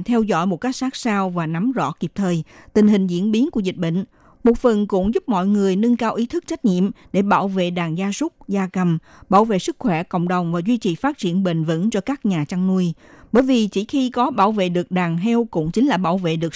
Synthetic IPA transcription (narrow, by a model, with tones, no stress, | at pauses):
t̪ʰɛ˧wzɔ̰˧˥˨jmo˨˩t̚ka˦˥jk̚saː˦˥k̚saː˧wvaː˨˩na˨˦mzɔ̰˧˥ki˨˩p̚t̪ʰəː˨˩jt̪ï˨˩ŋ̟ɦï˨˩ŋ̟zḭ˧˥ənɓi˨˦nku˧˩əzï˨˩k̟̚ɓə̰˧˨ŋ̟ | mo˨˩t̚fə˨˩nkʊ̰˧˥ŋ͡mzʊ˦˥p̚mɔ̰˧˨jŋɨ˨˩əjnɨ˧ŋkaː˧wʔi˨˦t̪ʰɨ˦˥k̚t͡ɕa˦˥jk̟̚ɲḭ˧˨əmɗe˧˩ɓaː˧˩wvḛ˧˨ɗaː˨˩ŋzaː˧sʊ˦˥k͡p̚zaː˧kə˨˩mɓaː˧˩wvḛ˧˨sɨ˦˥k̚xwɛ˧˩kə̰˧˨wŋ͡mɗə˨˩wŋ͡mvaː˨˩zwi˧t͡ɕi˨˩faː˦˥t̚t͡ɕi˧˩ənɓḛ˧˨ŋ̟və̰˧˥nt͡ɕɔ˧kaː˦˥k̚ɲaː˨˩t͡ɕa˧ŋnu˧əjɓəː˧˩jvi˨˩t͡ɕi˧˩xi˧kɔ˨˦ɓaː˧˩wvḛ˧˨ɗɨ˨˩ək̚ɗaː˨˩ŋɦɛ˧wkʊ̰˧˥ŋ͡mt͡ɕï˨˦ŋ̟laː˨˩ɓaː˧˩wvḛ˧˨ɗɨ˨˩ək̚